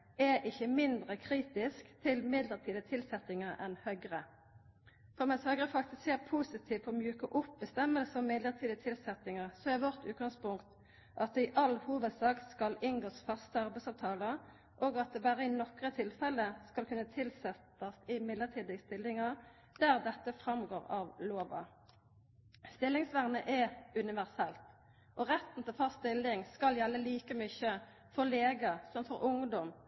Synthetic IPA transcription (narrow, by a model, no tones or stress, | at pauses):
ɛʔɪçːəmɪnd̪ʁəkʰʁiːt̪ɪskt̪ʰɪlmɪd̪ləʁt̪ʰiːd̪ət̪ʰɪlsɛt̪ɪŋəʁɛnhœʏɡʁə | fɔʁmɛshœʏɡʁəfɑkt̪ɪskseːʁpʰuːsɪt̪ʰiːʋɔmjʉːkəʔʊpbəst̪ɛmːəlsəɔmmɪd̪ləʁt̪ʰiːd̪ət̪ʰɪlsɛt̪ɪŋəʁsɔɛʋɔʁt̪ʉːt̪ɡɑŋspʊŋkt̪ | ʔɑt̪̚d̪ɛɪʔɑlhuːʋəd̪sɑːkskɑlɪnɡoːsfɑst̪əɑʁbɛɪsɑʋt̪ʰɑːləʁ | ʔoːɡɑt̪̚d̪ɛbæːʁəɪnɔkʁət̪ʰɪlfɛləskɑlkʰʉnːət̪ʰɪlsɛt̪ɑsɪmɪd̪ləʁt̪ʰiːd̪ɪst̪ɪlːɪŋɑ | d̪̥æːʁd̪ɛt̪ːəfʁɑmɡoːʁɑːʋloːʋɑ̰ | st̪ɪlːɪŋsʋæʁnəʔɛʉnɪʋæʁsɛlt̪ | ʔɔʁɛt̪n̩t̪ʰɪlfɑst̪ɪlːɪŋskɑljɛlːəliːkəmʏçə | fɔʁleːɡɑsɔmfɔʁʔʊŋd̪ɔm